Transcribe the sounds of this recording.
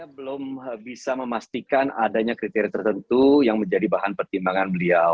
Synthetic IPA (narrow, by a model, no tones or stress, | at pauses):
abəlʊmbisaməmast̪ikanadaɲakɾit̪eɾiat̪ərt̪ənt̪ujaŋməɲd͡ʒadibaɦanpərt̪imbaŋanməliaw